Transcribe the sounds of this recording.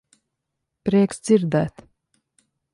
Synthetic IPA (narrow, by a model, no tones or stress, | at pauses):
pɾɛːksd̪z̥iɾd̪æːt̪